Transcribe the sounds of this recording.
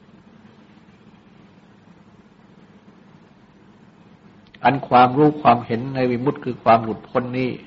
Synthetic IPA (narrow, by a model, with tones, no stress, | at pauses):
ʔa˧nkʰwaː˧mɾuː˦˥˩kʰwaː˧mhe˩˦nːa˧jwi˧mu˦˥˩t̪̚kʰɯː˧kʰwaː˧mlu˨˩t̪̚kʰo˧˥nːiː˥˩